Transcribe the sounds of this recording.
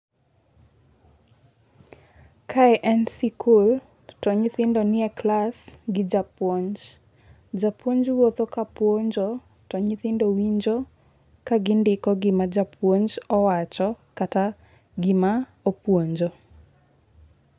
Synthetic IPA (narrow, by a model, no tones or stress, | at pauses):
kʰaɛʔɛnsikʰul | tɔɲɪt̪ɪndonɪɛklasɡɪd͡ʒapwoɲd͡ʒ | d͡ʒapwoɲd͡ʒwot̪okapwoɲd͡ʒo | tɔɲɪt̪ɪndowiɲd͡ʒo | kaɡɪndɪkɔɡɪmad͡ʒapwoɲd͡ʒɔwat͡ʃɔkata | ɡɪma | opwoɲd͡ʒo